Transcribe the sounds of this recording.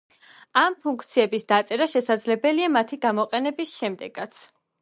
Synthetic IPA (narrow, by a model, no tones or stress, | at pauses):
ampʰuŋk̚ʰt̪sʰiɛbisd̪at̪sʼɛɾaʃɛsad̪zlɛbɛliamat̪ʰiɡamɔqʼɛnɛbisʃɛmd̪ɛɡ̥at̪sʰ